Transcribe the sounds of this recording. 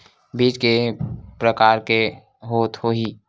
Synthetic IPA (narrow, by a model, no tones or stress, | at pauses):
biːt͡ʃkepɾəkaːɾke | ɦoːt̪hoːɦi